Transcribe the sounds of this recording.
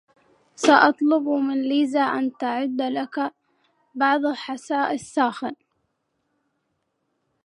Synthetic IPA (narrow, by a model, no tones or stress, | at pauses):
saʔɑt̪ˤlʊbmɪnliːzaʔant̪aʕɪd̪ːlaka | bɑʕðˤalħasaːʔɪsːaːxɪn